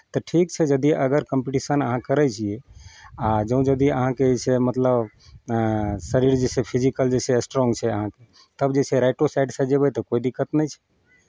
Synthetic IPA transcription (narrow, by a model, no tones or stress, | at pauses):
t̪əʈʰikt͡ʃʰɛd͡ʒəd̪iʔəɡəɾkəmpiʈisənəɦãkəɾɛt͡ʃʰiead͡ʒə̃ũd͡ʒəd̪iəɦãkeesʰemət̪ləb | səɾiɾd͡ʒesepʰid͡ʒikəld͡ʒesesʈɾɔŋɡt͡ʃʰɛəɦãke | t̪əbd͡ʒesʰeɾaɪʈosajɖsɛd͡ʒebɛt̪ɔkoid̪ikːət̪nɛjt͡ʃʰɛ̥